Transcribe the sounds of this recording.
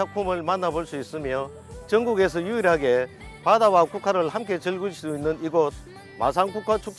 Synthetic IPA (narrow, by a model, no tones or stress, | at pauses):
ak̚pʰumɯɭmanːaboɭs͈uis͈ɯmjʌ | t͡ɕʌŋɡuɡe̞sʰʌjuiɾɦaɡe̞ | padawakukʰaɾɯɭhamk̬͈e̞t͡ɕɯɭɡɯɭɕʰidoinːɯniɡod̚ | ma̰s̬ʰaŋkukʰat͡ɕʰuk̚t͡ɕ